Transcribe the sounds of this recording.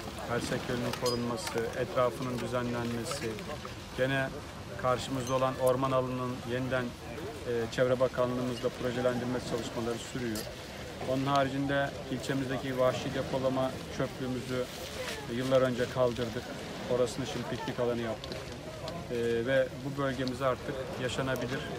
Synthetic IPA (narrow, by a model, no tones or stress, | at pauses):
hæɾsɛcʰølʲynynkʰo̞ɾunmasɯʔɛt̪ɾaːfɯnɯnd̪yzænlʲænme̞sɪ | ɟ̥e̞nɛ | kʰaɾʃɯmɯzd̪ao̞lˠano̞ɾmanalˠɯnɯnje̞nid̪ænː | t͡ʃʰɛvɾɛbakʰanlˠɯːmɯzd̪ˠapʰɾo̞ʒe̞lʲænd̪iɾmɛt͡ʃʰalˠɯʃmalˠaɾɯsyɾyjo | o̞nunhɦaːɾid͡ʒind̪ɛ | ilʲt͡ʃʰe̞mizd̪ecivahʃid̪e̞pʰo̞lˠama | t͡ʃʰø̞plʲyːmyzy | jɯlˠːaɾø̞nd͡ʒɛkʰalˠd̪ɯɾd̪ɯk | o̞ɾasɯnaʃimd̪ipʰicnʲikalˠanɯjap̚t̪ʰɯkː | vɛbubø̞lʲɟe̞mizaɾt̪ʰɯkjaʃanabilʲiɾ̥